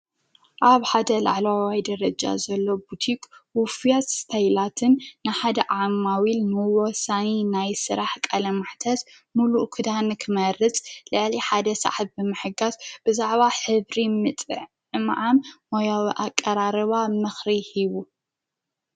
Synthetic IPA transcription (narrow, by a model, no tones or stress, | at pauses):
ʔaβħad̪ɐla̰ʕlwawajd̪ɐɾɐd͡ʒa̰zɐlːo̞but̪ʰikʼwʊfijasst̪ʰajlat̪ʰɨnːɨħad̪ɐʕamːawilnɨwɔsaninajsɨɾaħkʼalɐmaħt̪ʰɐz | muluʔkʰɨd̪ankʰɨmɐɾɨt͡sʼlɨʕliħad̪ɐsa̰ħt̚bɨmɨħɨɡazb̥ɨzaʕβaħɨβɾimɨt̪ʼɨ̰ʕ | ɨmʕammojawiʔakʼːɐɾaɾɨβamɨxɾihiβu